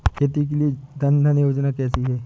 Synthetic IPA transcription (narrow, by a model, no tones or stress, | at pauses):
kʰet̪ik̬elied̪ɐnd̪ʱənjoːd͡ʒnakɛːsiɦɛː